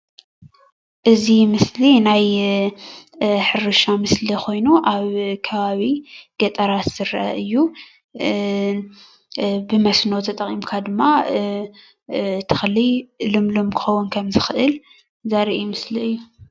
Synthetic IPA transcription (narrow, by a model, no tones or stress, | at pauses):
ʔɨzimɨslinaj | ħɨɾɨʃamɨslikʰo̞jnuʔaβkʰɐβaβiɡ̥ɐt̪ʼɐɾat̪z̥ɨɾɐʔɐ̰ʔɨjːu | bɨmɐsnowt̪ʰɐt̪ʼɐqʼimkʰad̪ɨmːa | t̪ʰɨ̥xɨlːilɨmlomkʰɨ̥xɐwːunkʰɐmzɨxɨʔɨl | zaɾiʔimɨsliɨjːu